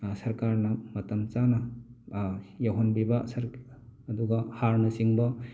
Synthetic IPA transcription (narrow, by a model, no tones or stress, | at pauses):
sɐɾkaɾnɐmɐtɐmt͡ʃanɐ | jaɦɔnbibɐsɐɾːduɡɐhaɾnɐsiŋbɐ